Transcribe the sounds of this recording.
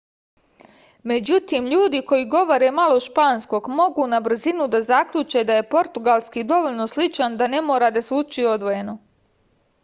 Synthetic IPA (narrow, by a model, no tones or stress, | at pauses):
me̞d͡ʑut̪imʎuːd̪iko̞jiɡo̞ʋoɾe̞maloʃpaːnsko̞ɡmo̞ɡuːnabr̩zinud̪azakʎut͡ʃe̞d̪aje̞po̞ɾt̪uɡalˠskid̪o̞ʋoʎnoslit͡ʃand̪ane̞moːɾad̪asuːt͡ʃio̞d̪ʋo̞jeno